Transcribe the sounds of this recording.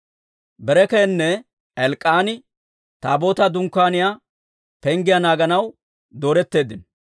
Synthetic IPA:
bɛɾɛkeːnːɛ | ɛlkʼːaːnɪ | t̪a̰ːbo̞ːt̪ɐd̪ʊŋkːaːnɪja | pɛŋɡɪjanaːɡɐnɐw | d̪o̞ːɾɛt̪ːe̞ːd̪ːɪn

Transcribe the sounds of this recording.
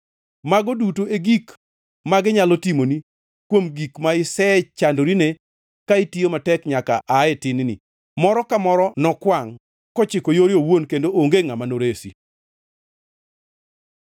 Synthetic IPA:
maɡodutoeɡik | maɡɪɲalotimoni | kwomɡikmaɪsɛt͡ʃandoɾine | kaitiomatɛkɲaka̰ʔaɛtɪnɪnɪ̰ | mɔɾɔkamɔɾɔnɔkwaŋ | kɔt͡ʃɪkojoɾjowonkendooŋɡeŋamanoɾesḭ

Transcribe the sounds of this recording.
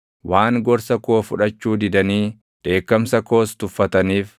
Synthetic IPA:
waːŋɡɔɾsɐkoːfʊᶑɐt͡ʃːuːd̪ɪd̪ɐniː | d̪̥e̞ːkːɐmsɐko̞ːst̪ʊfːɐt̪ɐniːf

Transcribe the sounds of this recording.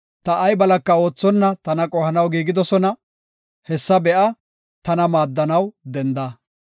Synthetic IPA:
t̪ɐʔɐjbɐlɐkːɐo̞ːt͡sːɔnːɐt̪ɐnɐkʼɔhɐnɐwɡiːɡɪd̪ɔsɔnɐ | hɛsːɐbɛʔɐ | t̪ɐnɐmaːd̪ːɐnɐwd̪ɛnd̪ɐ

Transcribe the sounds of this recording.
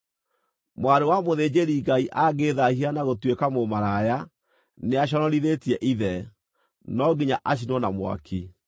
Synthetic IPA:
mwaɾewamoðeɲeɾiɡaiʔaɡeðahianaɣotwekamomaɾaja | neaɕ̬ɔɾɔɾiðetiɛʔiðɛ | nɔɡiɲaʔaɕ̬inɔnamwa̰kʰi

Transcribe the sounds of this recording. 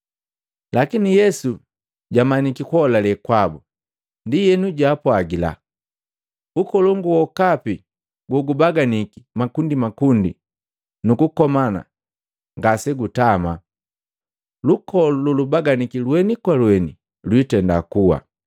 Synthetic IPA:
lakinijɛsu | ɟamaɲikikɔlalɛkwabu | ndijɛnuɟaːpwaɡila̰ | ukɔlɔŋɡuwɔkapi | ɡwɔɡubaɡanikimakundimakundḭ | nukukɔmana̰ | ŋɡasɛɡutama | lukɔlululubaɡanikilwɛnikwalwɛnḭ | lwitɛndakuwa̰

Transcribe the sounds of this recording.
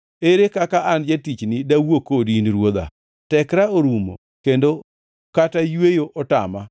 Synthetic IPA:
eɾekakaʔand͡ʒetit͡ʃnɪdawokodinɾwod̪a̰ | tɛkɾaoɾumo̰ | kendo | katajwejoʔɔta̰ma

